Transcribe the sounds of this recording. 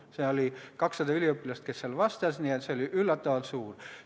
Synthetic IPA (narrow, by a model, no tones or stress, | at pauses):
seolʲikɑksːɑd̪ɑylʲiøpːilɑst̪ke̞sːelvɑst̪ɑsniet̪seoliʔylːɑt̪ːɑvɑlt̪suːr